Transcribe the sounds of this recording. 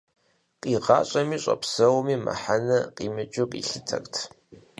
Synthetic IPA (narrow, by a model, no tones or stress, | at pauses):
qʼiːʁɑ̰ːɕʼɐmiːɕʼɐpʰsɐwmiːmɐ̰ħanɐqʼiːmɨt͡ʃʼɪkʼḭːɬɨtʰɐkʼtʰ